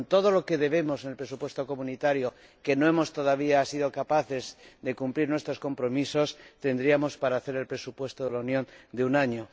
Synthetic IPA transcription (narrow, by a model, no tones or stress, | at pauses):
nt̪o̞ð̞o̞lo̞ke̞ðe̞β̞e̞mo̞senelpɾe̞supwe̞st̪oko̞munit̪aɾjo̞ | ke̞no̞e̞mo̞st̪o̞ð̞aβ̞iasiðo̞kapaθe̞zd̪e̞kumpliɾnwe̞st̪ɾo̞sko̞mpɾo̞miso̞st̪e̞nd̪ɾiamo̞spaɾaːθe̞ɾe̞lpɾe̞supwe̞st̪oðe̞launjõ̞nd̪eunaɲo̞